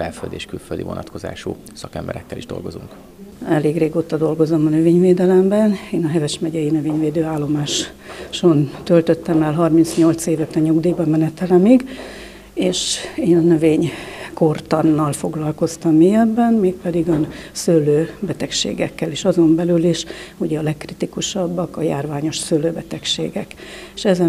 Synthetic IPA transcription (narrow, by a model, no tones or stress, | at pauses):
fɛlfø̰ld̪eːʃkylfø̰ld̪ḭvonʔɒt̪ko̞za̰ːʃu | sɒkɛmbɛɾɛkːɛliʒd̪o̞̰lɡo̞zuŋk | ɛleːɡreːɡoːt̪ɒd̪o̞lɡo̞zo̞mɒnøveːɲveːd̪ɛlɛmbɛneːnɒɦɛvɛʃmɛɟɛjinøveːɲveːd̪øːaːlːo̞maːʃ | ʃo̞nt̪ølt̪øt̪ːɛmɛlɦɒrmintsɲo̞lt̪seːvɛt̪ɛɲuɡd̪iːbɒmɛnɛt̪ɛlɛmiɡ | eːʃeːnɒnø̞veːɲko̞rt̪ɒnːɒlfo̞ɡlɒlko̞st̪ɒmːijɛbːɛnmeːk̚pɛd̪iɡɒnsølːøːbɛt̪ɛkʃḛːɡɛkːɛliʃɒzo̞mbɛlyliʃuɟɛɒlɛkːrit̪ikuʃɒbːɒkɒjaːrvaːɲo̞ʃsølːøːbɛt̪ɛkʃḛːɡɛkeʃɛzɛ